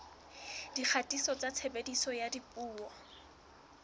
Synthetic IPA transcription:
d̥ik͡xʰatʼisɔt͡sat͡sʰebedisɔjadipʼuːɔ

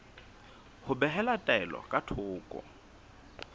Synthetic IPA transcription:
hʊbɛɦɛlatʼaɛlɔ̰kʼatʰʊːkʼɔ̰

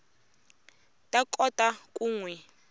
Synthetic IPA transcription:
tʼakʼɔtʼakʼuːŋwɛ

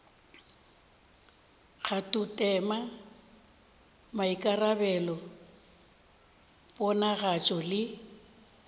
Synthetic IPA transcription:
ɣatʼutʼɛma | maikʼarabɛlɔ | pʼɔnaɣat͡ʃʼɔlɪ

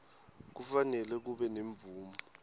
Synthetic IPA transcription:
k̬ufanɛlɛk̬uɓɛneɱb̪vʱuːmu

